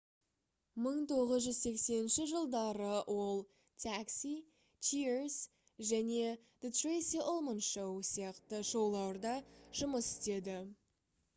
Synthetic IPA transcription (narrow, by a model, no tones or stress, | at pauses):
məɴt̪ʰo̞ʁəzʒʏzse̞kse̞nɪnʃɪʒəlˠd̪ɑɾəwʔo̞lˠ | t̪ʰæksi | t͡ʃʰiɾs | ʒæne̞ | d̪̥ət̪rejsiʔolˠmənʃowsijɑqt̪əʃowlˠɑwəɾd̪ɑʒ̥ʊməsɪ̥st̪e̞d̪ɪ